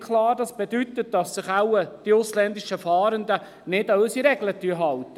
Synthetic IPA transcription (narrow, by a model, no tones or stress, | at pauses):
kʰlɑːɾdɑsb̥edyt̪ət̚d̥ɑsːɪχaʊəd̥iʊslɛnd̪iʃəfɑːɾənd̪ə | nɪdɑøsiɾɛɡlətyəɦɑltːə